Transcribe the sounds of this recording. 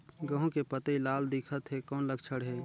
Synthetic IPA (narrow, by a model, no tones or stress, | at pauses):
ɡəɦũkepət̪eilaːld̪ɪkʰət̪ɦekɔːnləɡt͡ʃʰəɽɦɛː